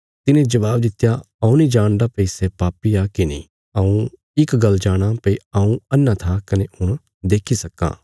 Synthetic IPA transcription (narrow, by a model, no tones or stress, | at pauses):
t̪ɪnẽd͡ʒɐʋaːbd̪ɪt̪ja | ɐũnĩd͡ʒaːɽ̃d̪apɐisepaːpiakinḭ̃ | ɐũ | ɪkɡɐld͡ʒaːɽ̃apɐiɐũɐnːãt̪ʰakɐnehʊɽ̃ | d̪eːkʰisɐkːã̰ː